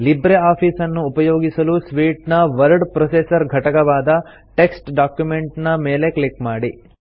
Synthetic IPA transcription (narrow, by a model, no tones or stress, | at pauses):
libɾeaːpʰiːsɐnːuːpɐjoːɡisɐlusʋiːʈnɐʋɐɾɖpɾɐsesɐɾɡʱɐʈɐkɐʋaːd̪ɐ | ʈe̞ksʈɖaːkjume̞ɳʈnɐmeːle̞klikmaːɽi